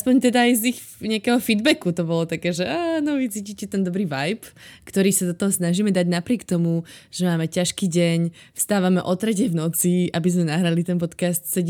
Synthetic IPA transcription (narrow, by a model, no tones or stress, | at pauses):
aspɔɲt̪ɛd̪aːjzix | ɲɛakɛːɦɔfid̪bɛkut̪ɔbɔlɔt̪akɛːʒɛʔaːnɔʋit͡siːcicɛt̪ɛnd̪ɔbɾiːʋajpkt̪ɔɾiːsad̪ɔt̪ɔɦɔsnaʒiːmɛd̪aɟnapɾɪɛkt̪ɔmuʒ̥ɛmaːmɛcaʃkiːɟɛɲfst̪aːʋamɛʔɔt̪ɾɛcɛjvnɔt͡siabizmɛnaɦɾalit̪ɛnp̬ɔt̪kast̪sɛɟ